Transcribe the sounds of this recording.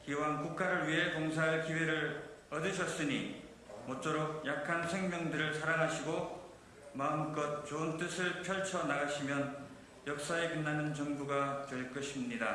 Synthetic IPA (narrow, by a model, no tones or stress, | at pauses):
kiwankuk̚k͈aɾɯɭwɥiɦe̞koŋsʰaɦaɭkiweɾɯɭʌdɯɕʰʌs͈ɯɲḭ | mot͡ɕ͈oɾok̚jakʰansʰe̞ŋmjʌŋdɯɾɯɭsʰaɾaŋɦaɕʰiɡo | maɯmk͈ʌt̚t͡ɕoɯnt͈ɯsʰɯɭpʰjʌɭt͡ɕʰʌnaɡaɕʰimjʌn | jʌk̚s͈aekɯnːanɯnt͡ɕʌŋbuɡat͡ɕʌiɭk͈ʌɕʰimɲida